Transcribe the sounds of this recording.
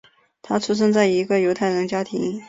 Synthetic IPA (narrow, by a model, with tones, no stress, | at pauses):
t̪ʰa˥t͡sʰu˥ʂ̬ɤ˥ŋt͡sa˥˩ɪi˧˥ɡə˧jo˧˥ʊt̪ʰa˥˩ɪɻə˧˥nt͡ɕja˥t̪ʰḭ˧˥ŋ